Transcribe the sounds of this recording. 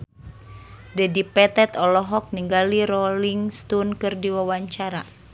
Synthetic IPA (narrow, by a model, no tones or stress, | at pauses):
dɛdipɛt̪ɛt̪ɔlɔɦɔk̚niŋɡaliɾɔliŋst̪unkɨrdiwawaɲt͡ʃaɾa